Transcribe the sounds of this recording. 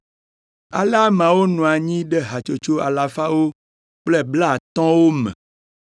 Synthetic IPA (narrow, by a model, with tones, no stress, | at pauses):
a̰˨la˦mã˨wo˦nɔ̃˨a˨ɲĩ˦ɖɛ˦ɦa˨t͡ʃo˦t͡ʃo˦a˨la˨fa˦wo˦ | k͡ple˦bla˦˨t̪ɔ̃˦wo˦mɛ̰̃˨